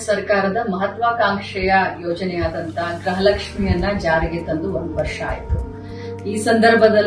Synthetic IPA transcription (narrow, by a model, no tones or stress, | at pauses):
sɐɾkaːɾɐd̪ɐmɐɦɐt̪ʋaːkaːŋkʂɛjɐjoːd͡ʒɐnɛjaːd̪ɐnt̪ʰɐɡɾɐɦɐlɐkʂmijɐnːɐd͡ʒaːɾiɡit̪ːɐnd̪uond̪uʋɐɾʂa̰ːjit̪u | iːsɐnd̪ɐɾbʱɐd̪ɐl